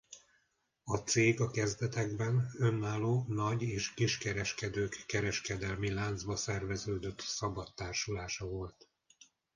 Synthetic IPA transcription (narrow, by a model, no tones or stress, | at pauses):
ɒt̪seːɡɒkɛzd̪ɛt̪ɛɡbɛnønːaːloːnɒɟeːʃkiʃkɛɾɛʃkɛd̪øːkːɛɾɛʃkɛd̪ɛlmilaːnd̪zbɒsɛrvɛzøːd̪øt̪sɒbɒt̪ːaːrʃulaːʃɒvo̞lt̪